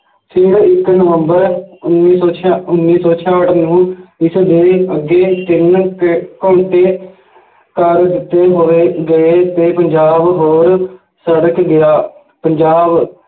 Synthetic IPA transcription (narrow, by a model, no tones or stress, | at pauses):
pʰɪɽɪknəʋəmbəɾʊnːiːsɔːt͡ʃʰʊnːiːsoːt͡ʃʰaːəʈnũːɪsd̪eːəɡːeːt̪ɪnkõːɳʈeː | kəɾd̪ɪt̪ːeːɦoːeːɡəeːt̪eːpəɲd͡ʒaːbɦoːɾ | səɽəkɡɪjaː | pəɲd͡ʒaːb